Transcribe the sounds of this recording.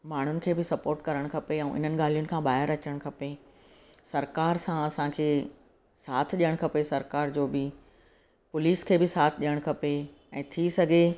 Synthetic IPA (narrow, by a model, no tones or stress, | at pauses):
maːɳ̤ʊnɪ̆kʰeːbɪsɐpoːɾʈkɐɾəɽ̃kʰɐpeɛ̃ːʔɪ̰n̤ənɪ̆ɠaːl̤ijʊnɪ̆kʰãːɓaːɦɪɾɐt͡ɕəɽ̃kʰɐpe | sɐɾkaːɾsãɐsãkʰeː | saːt̪ʰʄijəɽ̃kʰɐpesɐɾkaːɾd͡ʑoːbɪ | pʊliːskʰeːbɪsaːt̪ʰɪʄijəɽ̃kʰɐpe | ɛ̃ːt̪ʰisɐɡʱe